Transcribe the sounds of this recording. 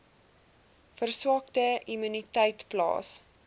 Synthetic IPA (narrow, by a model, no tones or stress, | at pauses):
fərswɑːktəimynitɛjtplɑ̰ːs